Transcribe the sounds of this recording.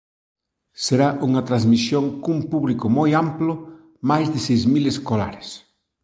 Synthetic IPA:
seɾaʔuŋɐt̪ɾazmisjoŋkumpuβlikʊmojamplʊ | majzðɪsejzmileskola̰ɾɪs

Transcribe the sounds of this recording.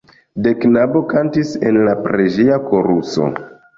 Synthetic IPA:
de̞knabo̞kantise̞̰nlapɾed͡ʒeako̞ɾuso̞̰

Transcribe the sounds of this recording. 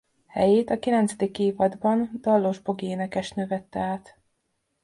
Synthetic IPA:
hɛ̰jeːt̪ɒkilɛnt̪sɛd̪ikːeːvɒd̪bɒnd̪ɒlːoʒbo̞ɡieːnɛkɛʃt̪nøvɛt̪ːɛaːt̪

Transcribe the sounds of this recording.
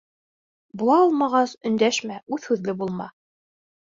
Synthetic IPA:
bulˠɑɑlˠmɑʁɑsɵ̆nd̪æʃmæʉθhʉðlɘbulˠmɑ̰

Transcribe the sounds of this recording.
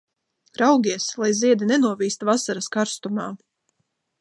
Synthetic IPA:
ɾawɡʲiɛslˠajziɛd̪inɛnuɔviːst̪vasaɾaskaɾst̪umaː

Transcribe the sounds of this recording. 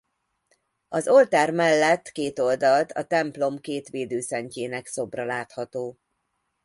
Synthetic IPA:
ɒzo̞lt̪aːrmɛlːɛt̪ːkeːt̪o̞ld̪ɒlt̪ɒt̪ɛmplo̞mkeːt̪ʋeːd̪øːsɛɲceːnɛkso̞brɒlaːt̪hɒt̪oː

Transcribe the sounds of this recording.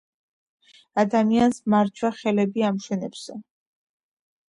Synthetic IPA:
ad̪amiansmaɾt͡ʃʰwaχɛlɛbiamʃɛnɛbz̥ɛ

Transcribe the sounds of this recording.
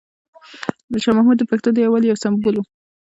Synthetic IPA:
d̪əʃɑmahmud̪ːəpaxt̪od̪əjawaljawsambulu

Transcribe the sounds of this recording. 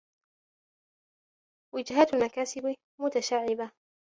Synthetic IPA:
wɪd͡ʒɦaːt̪almakaːsɪb | mʊt̪aʃaʕːɪba

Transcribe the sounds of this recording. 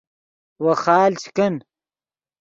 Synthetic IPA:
wɐxaːlt͡ɕʰi̥kɐn

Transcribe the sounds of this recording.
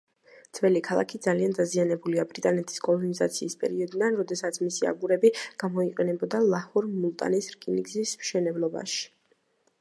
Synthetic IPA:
d̪sʰvɛlikʰalˠa̰kʰid̪zaliand̪azianɛbuliabɾit̪ʼanɛt̪ʰi̥skʼɔlˠɔniza̰t̪sʰiːspʼɛ̰ɾiɔd̪id̪anɾɔd̪ɛsat̪sʰmisia̰ɡuɾɛbiɡ̥amɔiqʼɛnɛbɔd̪alˠahuɾmulˠt̪ʼa̰nisɾkʼiniɡzismʃɛnɛblˠɔba̰ʃi̥

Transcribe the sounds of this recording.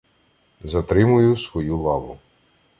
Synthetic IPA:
zɐt̪ɾɪmʊjʊsʋɔjulˠɑʋʊ

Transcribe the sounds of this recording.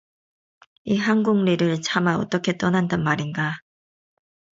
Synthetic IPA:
iɦaŋɡuŋliɾɯɭt͡ɕʰamaʌ̰t͈ʌkʰe̞t͈ʌnandanmaɾinɡa

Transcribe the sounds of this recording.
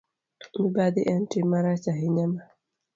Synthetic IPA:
mibad̪iʔɛntimaɾat͡ʃaɦiɲama

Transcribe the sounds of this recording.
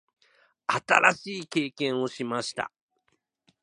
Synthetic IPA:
at̪a̰ɾaɕiːke̞ːkẽ̞ɰ̃o̞ɕimaɕi̥t̪a̰

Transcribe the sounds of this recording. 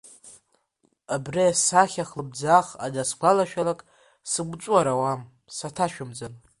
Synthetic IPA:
abriasaχʲaχlɨb̚d͡zaχa̰daskʷʰalaʃᶣalakʼ | sɨɡʷt͡ʃʷʼuaɾawam | satʰaʃᶣʊmd͡zan

